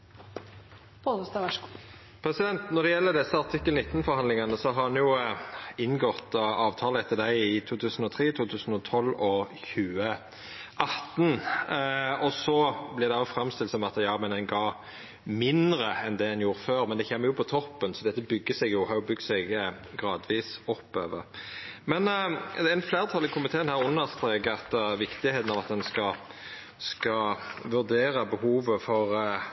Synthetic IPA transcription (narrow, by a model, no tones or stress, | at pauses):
post̪ɑʋæʃ | pʰɾɛsɪd̪ɛnt̪nɔɾd̪ɛjɛlːəd̪ɛsːəɑɾt̪ʰɪkːəlnɪt̪ːən̩fɔɾhɑnd̪lɪŋɑnəsɔɦɑɾɑnjʊ | ɪnːɡɔt̪ɑːʋt̪ʰɑːləɛt̪ʰːəd̪æɪɪt̪ʰuːt̪ʰʉːsn̩ɔt̪ʰɾeːt̪ʰuːt̪ʰʉːsən̩ɔt̪ʰɔlːɔçʉːə | ʔɑt̪ːn | ɔsɔblɪɾd̪ɛæɔfɾɑmst̪ɪlsɔmɑt̪əjɑːmɛnɛnɡɑː | mɪnd̪ɾəɛnd̪ɛɛnjuːɾəføːɾmɛnd̪ɛçɛmːəjʊpʰɔt̪ʰɔpːənsɔd̪ɛt̪ːəbʏɡːəsɛɡjʊhɑɾjʊbʏɡ̚t̪sɛɡ | ɡʁɑːd̪ʋiːsɔpːøːʋə̰ɾmɛnd̪ɛɪnfleːɾʁt̪ʰɑlɪkʰɔmːɪt̪ʰeːɛnhæːɾʊnːəst̪ɾeːkɑt̪ʋɪkt̪ɪheːt̪ənɑʋɑt̪̚d̪ɛnskɑ | skɑʋʉʁd̪eːɾəbəhuːʋəfɔʁ